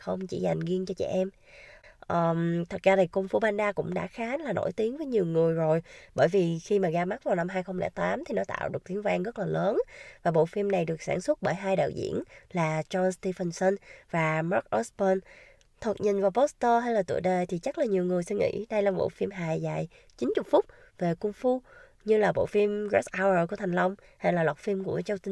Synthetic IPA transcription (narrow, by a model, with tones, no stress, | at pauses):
xə˧wŋ͡mt͡ɕḭ˧˩za˨˩jŋ̟ɣi˧ənt͡ɕɔ˧t͡ɕɛ̰˧˩ʔɛ˧m | ʔəː˨˩mt̪ʰə˨˩t̚zaː˧t̪ʰi˨˩ku˧ŋ͡mfu˧ɓaː˧nɗaː˧kʊ̰˧˥ŋ͡mɗa̰ː˧˥xaː˨˦nlaː˨˩nʔo̰˧˥˩jt̪i˨˦əŋvəː˨˦jɲi˨˩əwŋɨ˨˩əjzo˨˩jɓəː˧˩jvi˨˩xi˧maː˨˩ɣaː˧ma˦˥t̚vaː˨˩wna˧mɦaː˧jxə˧wŋ͡mlɛ̰˧˩t̪aː˨˦mt̪ʰi˨˩nɔ˨˦t̪a̰ː˧˨wɗɨ˨˩ək̚t̪i˨˦əŋvaː˧ŋɣə˦˥t̚laː˨˩ləː˨˦nvaː˨˩ɓo̰˧˨fi˧mna˨˩jɗɨ˨˩ək̚sa̰ː˧˩nswə˦˥t̚ɓəː˧˩jɦaː˧jɗa̰ː˧˨wzḭ˧˥ənlaː˨˩t͡ɕɔ˧nst̪i˧fə˧nsə˧nvaː˨˩ma˦˥k̚ʔɔ˦˥spə˧n | t̪ʰə˨˩t̚ɲi˨˩ŋ̟vaː˨˩wpɔ˦˥st̪əː˧ɦa˧jlaː˨˩t̪ṵ˧˨jɗe˨˩t̪ʰi˨˩t͡ɕa˦˥laː˨˩ɲi˨˩əwŋɨ˨˩əjsï˧ŋʔḭ˧˥ɗə˧jlaː˨˩ɓo̰˧˨fi˧mɦaː˨˩jzaː˨˩j | t͡ɕi˨˦nt͡ɕʊ˨˩t̚fʊ˦˥k͡p̚ | ve˨˩kʊ˧ŋ͡mfu˧ | ɲɨ˧laː˨˩ɓo̰˧˨fi˧mɣɛ˦˥ʔaː˧wəː˨˩ku˧˩ət̪ʰa˨˩ŋ̟lə˧wŋ͡m | ha˧jlaː˨˩lwa˨˩t̚fi˧mku˧˩˥ət͡ɕə˧wt̪i˧